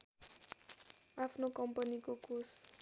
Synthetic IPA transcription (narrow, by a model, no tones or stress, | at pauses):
afnokɔmpanikokus